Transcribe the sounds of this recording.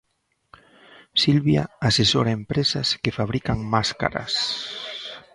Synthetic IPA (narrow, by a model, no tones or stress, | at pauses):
silβja̰asesoɾaempɾesaskefaβ̞ɾikaŋmaska̰ɾa̰s